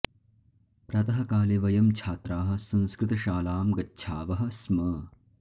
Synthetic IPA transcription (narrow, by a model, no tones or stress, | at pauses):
pɾɐt̪ɐɦɐkaːleʋɐjɐmt͡ʃʰaːt̪ɾaːɦɐ̆sɐ̃nskɾɪt̪ɐʃaːlaːmɡɐtːʃʰaːʋɐɦɐsmɐ